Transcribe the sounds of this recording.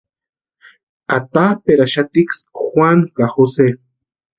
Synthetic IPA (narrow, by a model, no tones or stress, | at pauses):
at̪apeɾaʃat̪iksxwaŋkaxose